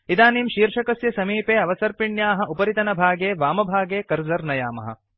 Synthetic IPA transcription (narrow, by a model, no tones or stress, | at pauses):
id̪aːniːmʃiːɾʂɐkɐsjɐsɐmiːpeːɐʋɐsɐɾpiɳjaːɦɐ̆ʔupɐɾit̪ɐnɐbʱaːɡeːʋaːmɐbʱaːɡeːkɐɾzɐɾnɐjaːmɐ̰ɦɐ̰